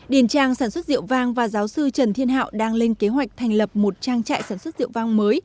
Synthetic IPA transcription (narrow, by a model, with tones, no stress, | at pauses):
ɗi˨˧˩ənt͡ɕaː˧˩ŋsaː˧˩nswə˦˥t̚zḭ˧˨əwvaː˧ŋvaː˨˩zaː˨˦wsɨ˧t͡ɕə˨˩nt̪ʰi˧ənɦa̰ː˧˨wɗaː˧ŋle˧nke˨˦ɦwa˨˩jk̚t̪ʰɛ˨˩jŋ̟lə˨˩p̚mo˨˩t̚t͡ɕaː˧ŋt͡ɕa̰ː˧˨jsaː˧˩nswə˦˥t̚zḭ˧˨əwvaː˧ŋməː˨˦j